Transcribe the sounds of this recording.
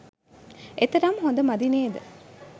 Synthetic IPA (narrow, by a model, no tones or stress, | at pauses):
et̪ɐɾɐmɦond̪ɐmɐd̪ineːd̪ə